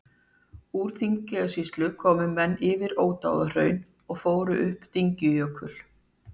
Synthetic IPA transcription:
uːɾ̥θiɲcɪasist̪lʏkʰɔːmʏmɛnːɪːvɪɾoːwt̪a̰wðar̥œːɥn | ɔɣfoːwɾʏʔʏhpt̪iɲcɪjœːkʰʏl̥

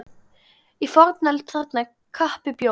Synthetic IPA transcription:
ifɔɾt̪nalt̪ʰθat̪na | kʰːahpɪpjo

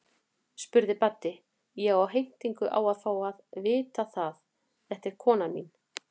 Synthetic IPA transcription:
spʏɾðɪpat̪ːɪ | jɛɣawɦejn̥t̪iŋkʏʔa̰ːwaðfaːwaðvɪːt̪aθað | θɛht̪ɛɾ̥kʰɔːnamḭn

